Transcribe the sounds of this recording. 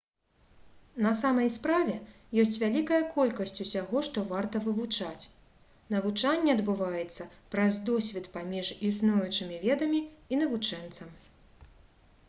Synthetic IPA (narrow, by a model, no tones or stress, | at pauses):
nɐsamɐjspɾavʲɛ | jɔsʲt͡sʲvʲalʲikɐjɐkɔlʲkɐsʲt͡sʲusʲaɣɔʂt̪ɔvart̪ɐvɨvut͡ʂat͡sʲ | nɐvut͡ʂanʲːɛɐd̪bɨvajɛt̪sːɐpɾɐzd̪ɔsʲvʲit̪pamʲiʐisnujut͡ʂɨmʲivʲɛd̪ɐmʲiinɐvut͡ʂɛnt̪sɐm